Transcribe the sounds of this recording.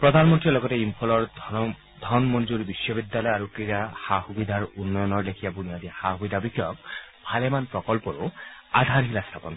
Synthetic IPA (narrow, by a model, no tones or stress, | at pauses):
pɹɔd̪ʱanmɔntɹilɔɡɔteimpʰɔlɔɹ | d̪ʱɔnmɔnd͡ʒuɾibisːɔbid̪jalɔjaɾukɾiɾahahubid̪ʱaɹunːɔjɔnɔɹlekʰijabunijad̪ixahubid̪ʱabikʰːjɔk̚bʱalemanpɹɔkɔlpɔɾuad̪ʱaɾɦilast̪ʰapɔn